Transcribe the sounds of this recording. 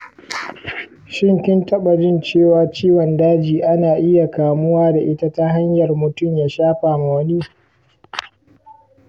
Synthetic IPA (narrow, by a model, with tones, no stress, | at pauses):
ʃɪ˦˨ŋkʲɪ˦ntɐ˦ɓa˨d͡ʒɪ˦˨nt͡ʃeː˦˨waː˦t͡ʃiː˦wɐ˨ndaː˦d͡ʒiː˨ʔa˦naː˨ʔɪ˦ja˨kaː˨mʊ˦waː˦da˨ʔɪ˦ta˦ta˦ɦa˦ɲjɐ˨rmʊ˨tʊ˦˨ɲjaː˨ʃaː˦ɸaː˨ma˨wɐ˦ni˦